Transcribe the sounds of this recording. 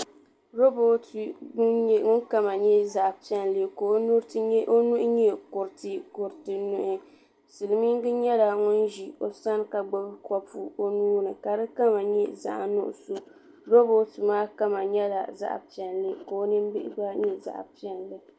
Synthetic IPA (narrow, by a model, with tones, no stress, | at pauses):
ɾo˦bo˨tu˨ʊ˦ɲɛ˦ŋʊ˦nka˦ma˨ɲɛ˦za˨ʔpi˦ɛ˨nlɨ˦ko˨o˦nu˦ɾtɨ˦ʔo˦nu˦ʔɲɛ˦kʊ˨ɾtɨ˨kʊ˨ɾtɨ˨nʊ˦ʔɪ˨ | sɨ˨lɨ˨mi˦ŋ˦ɡɨ˦ɲɛ˦la˨ŋʊ˦nʒi˨o˨sa˦n˦ka˨ɡ͡bo˦bɨ˦kɔ˦pu˦o˦nuː˦nɨ˨ka˨dɨ˦ka˦ma˨ɲɛ˦za̰˦ʔnʊ̰˦ʔʊ̰˨so˦ | ɾo˦bo˦tɨ˨maː˦ka˦ma˨ɲɛ˦la˨za̰˦˨ʔpi˨ɛ˨nlɨ˦ko˨o˦nɨ˦m˦bɪ˦ʔɪ̰˦ba˦ɲɛ˦za̰˨ʔpi˦˨ɛ˨nlɨ˨